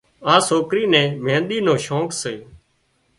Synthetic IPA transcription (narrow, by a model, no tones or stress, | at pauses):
ãːsoːkɾiːnɛ̃ːmẽːnɗ̪iːnõːʃõːkseː